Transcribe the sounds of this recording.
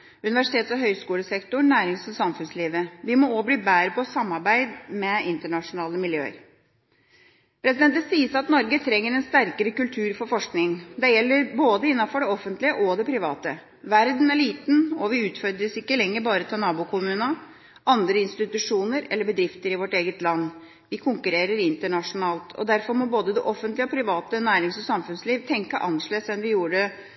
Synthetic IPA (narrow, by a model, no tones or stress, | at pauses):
ʉnɪʋæʂɪ̥t̪ʰeːt̪sɔɦœʏskuːləsɛkt̪ʊɳːæːɾɪŋsɔmsɑmfʉnsliːʋəʋɪmɔoːbliːbæːɾəpɔsɑmːɑɾbæɪd̪mɛɪnt̪əɳɑʂʊnɑːləmɪljø̰ːə̰ɾ | pʰɾɛsɪd̪ɛnt̪əsiːəsɑt̪nɔɾɡət̪ʰɾɛŋːəɾɛnst̪æɾkəɾəkʉlt̪ʰʉːɾfɔɾfɔʂknɪŋd̪ɛjɛlːəɾboːd̪əɪnːɑfɔɖɛɔfənt̪lɪəʔɔd̪ɛpʰɾɪʋɑːt̪ə | ʋæɾd̪næɭiːt̪n̩ɔʋɪʉːt̪fɔɾd̪ɾəsɪkːəlɛŋːəɾbɑːɾət̪ʰɑnɑːbʊkʰʊmʉːnə | ʔɑnd̪ɾəɪnst̪ɪt̪ʉʂuːnəɾɛ̰lːəɾbəd̪ɾɪft̪əɾɪʋɔʈeːɡət̪lɑnː | ʋɪkʰʊŋkʉɾeːɾəɾɪnt̪əɳɑʂʊnɑːlt̪ʰɔ̰d̪æɾfɔɾmɔboːd̪əd̪ɛʔɔfənt̪lɪɔpʰɾɪʋɑːt̪ənæːɾɪŋsɔsɑmfʉnsliːʋt̪ʰɛŋkəʔɑnʂɭeːsɛnʋɪjuːəɖə